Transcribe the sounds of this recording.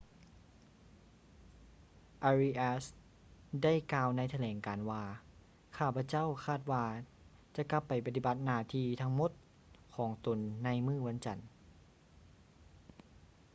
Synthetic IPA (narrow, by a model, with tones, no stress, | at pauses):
ʔa˧ɾi˧ʔaː˧˥s | da˥˩jkaː˧wna˧˥jt̪ʰa˧lɛː˨˩˦ŋkaː˨˩nwaː˧ | kʰaː˧˥˩pʰa˧˥t͡ɕa˥˨wkʰaː˥˩t̪̚waː˧ | t͡ɕa˧˦ka˧pːa˨˩jpa˧t̪i˧ba˧˦t̪̚naː˧˩t̪ʰiː˧˩t̪ʰa˧˥ŋmo˧˥˦t̪̚ | kʰɔː˩˦ŋt̪o˨˩nːa˧˥jmɯː˥˩wa˧˥nt͡ɕa˨˩n